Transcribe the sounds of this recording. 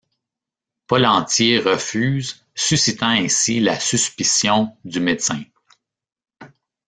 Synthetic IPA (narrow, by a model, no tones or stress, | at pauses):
pɔlɑ̃t̪sjeʁəfyːz | sysit̪ɑ̃ɛ̃silasyspisjɔ̃d̪ymet̪sɛ̃